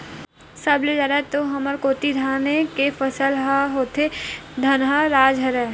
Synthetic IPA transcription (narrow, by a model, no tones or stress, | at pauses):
səbled͡ʒaɾat̪oɦɐməɾkoːt̪id̪ʱanekefəsəlɦaɦoːt̪ʰed̪ʱɐnɦaɾaːd͡ʒɦəɾɛː